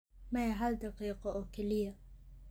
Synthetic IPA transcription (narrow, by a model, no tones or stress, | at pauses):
mɐjɐɦɐld̪ɑqiːqɔʔɔːkʰɛlɪjɐ